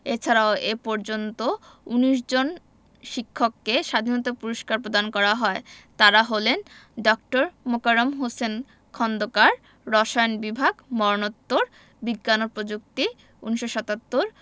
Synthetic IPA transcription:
et͡ɕʰaɾaoepɔɾd͡ʑont̪o | uniʃ̬d͡ʑon | ʃikʰːokːeʃad̪ʱinot̪apuɾoʃkaɾpɾod̪ankɔɾaɦɔet̪aɾaɦolenɖɔk̚ʈoɾmokaɾomɦosen | kʰɔnd̪okaɾː | ɔʃajnbibʱaɡmɔɾnot̪ːoɾ | biɡːanoɾpɾod͡ʑuk̚t̪i | uniʃoʃat̪at̪ːoɾ

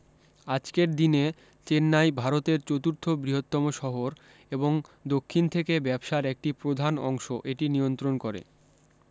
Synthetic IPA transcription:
ad͡ʑkeɾd̪ine | t͡ɕenːajbʱaɾot̪eɾt͡ɕot̪uɾt̪ʰobɾiɦot̪ːɔmoʃɔɦoɾ | eboŋd̪okʰːint̪ʰekebɛbʃaɾek̚ʈipɾod̪ʱanɔ̰ŋʃoʔeʈinijont̪ɾonkoɾḛ

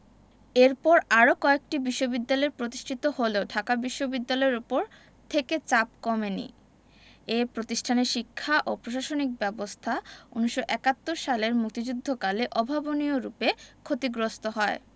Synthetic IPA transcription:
eɾpɔɾaɾokɔek̚ʈibiʃːobid̪ːalɔeɾpɾot̪iʃʈʰit̪oholeoɖʱakabiʃːobid̪ːalɔeɾupoɾ | t̪ʰeket͡ɕap̚kɔmenḭ | epɾot̪iʃʈʰaneʃikʰːaʔopɾoʃaʃonik̚bɛbost̪ʰaunuʃːoʔɛkat̪ːoɾʃaleɾmuk̚t̪id͡ʑud̪ʱːokaleʔɔbʱabonioɾupekʰot̪iɡɾost̪oɦɔe

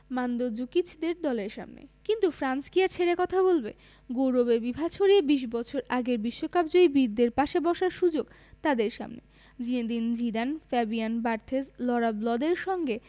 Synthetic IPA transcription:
mand̪od͡ʑukit͡ɕʰd̪eɾd̪ɔleɾʃa̰mnḛkint̪ufɾanskiaɾt͡ɕʰeɾekɔt̪ʰabolbe | ɡowɾobebibʱat͡ɕʰoɾiebiʃ̬bɔt͡ɕʰoɾaɡeɾbiʃːokapd͡ʑoibiɾd̪eɾpaʃebɔʃaɾʃud͡ʑoɡ | t̪ad̪eɾʃa̰mnḛ | d͡ʑined̪ind͡ʑid̪anfɛbianbaɾt̪ʰezlɔɾablɔd̪eɾʃɔŋɡe

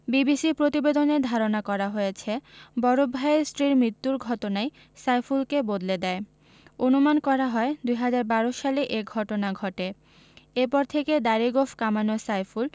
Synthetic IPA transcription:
bibisipɾot̪ibed̪oneɾd̪ʱaɾonakɔɾaɦojet͡ɕʰebɔɾobʱːaesʈɾiɾmɾit̪ːuɾɡʱɔʈonaj | sajfulkebod̪led̪ɛe | onumankɔɾaɦɔed̪ujɦad͡ʑaɾbaɾoʃaleʔeɡʱɔʈonaɡʱɔʈe | epɔɾt̪ʰeked̪aɾiɡofʰkamanosajful

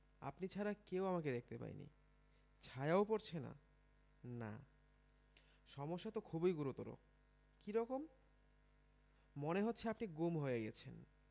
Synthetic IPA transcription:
a̰pnit͡ɕʰaɾakewamaked̪ek̚t̪epa̰j̰nḭ | t͡ɕʰajaopoɾt͡ɕʰena̰ | na̰ | ʃɔmoʃːat̪okʰubojɡuɾut̪oɾo̰ | kiɾɔkom | oneɦotːɕʰeapniɡomɦoeeɡiet͡ɕʰen

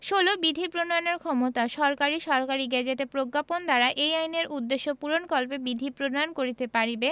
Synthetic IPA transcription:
ʃolobid̪ʱipɾonaneɾkʰɔmot̪aʃɔɾkaɾiʃɔɾkaɾiɡɛd͡ʑeʈepɾoɡːapond̪aɾaʔejajneɾud̪ːeʃːopuɾonkɔlpebid̪ʱipɾonankoɾit̪epaɾibe

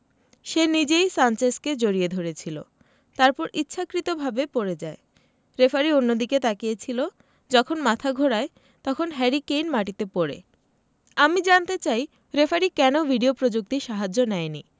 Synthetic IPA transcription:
ʃenid͡ʑejsant͡ɕesked͡ʑoɾied̪ʱoɾet͡ɕʰilo̰ | t̪aɾpɔɾitːɕʰakɾit̪obʱabepoɾed͡ʑae | ɾefaɾionːod̪iket̪akijet͡ɕʰilo | d͡ʑɔkʰonmat̪ʰaɡʱoɽae | t̪ɔkʰonɦɛɾikejnmaʈit̪epoɾḛ | amid͡ʑant̪et͡ɕaj | ɾefaɾikɛnobʱiɖiopɾod͡ʑuk̚t̪iʃaɦad͡ʑonɛeni

